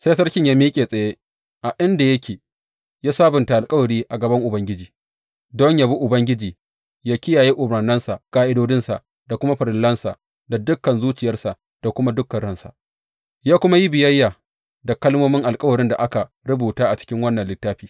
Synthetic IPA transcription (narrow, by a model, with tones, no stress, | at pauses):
se˦s̬ɐ˦rkʲɪ˦ɲjaː˦miː˦kʲʼeː˨sʼɐ˨jeː˦ | ʔa˨ʔɪ˦nda˨jɐ˦kʲeː˨ | jaː˦saː˦bʊ˨nta˨ʔa˨lkʼɐ˦wɐ˨ɾiː˦ʔa˨ɡɐ˨bɐ˦ŋʔʊ˨bɐ˦ŋɡʲɪ˦d͡ʒiː˨ | dɔ˦ɲjaː˨bu˦ʔʊ˨bɐ˦ŋɡʲɪ˦d͡ʒiː˨ | jaː˦kʲɪ˦jaː˨jeː˦ʔʊ˨bɽaː˨nɐ˦nsa˨ʔkaː˦ʔɪ˦doː˦d͡ʒɪ˦nsa̰˨ʔ | da˨kʷʊ˦ma˦ɸɐ˨ɾɪ˨lːɐ˦nsa̰˨ʔ | da˨dʊ˦kːɐ˨nzuː˦t͡ʃɪ˨jɐ˦rsa˨ʔ | d̥a˨kʷʊ˦ma˦dʊ˦kːɐ˨ɽɐ˦nsa̰˨ | jaː˦kʷʊ˦ma˦ji˦bɪ˨jɐ˦jːaː˨ | da˨kɐ˦lmoː˦mɪ˦ŋʔa˨lkʼɐ˦wɐ˨ɾɪ˦nda˨ʔa˦ka˨ | ɾʊ˦buː˨taː˦ʔa˨t͡ʃɪ̥˦kʲɪ˦ŋwɐ˦nːɐ˨nlɪ˦tːaː˦ɸiː˨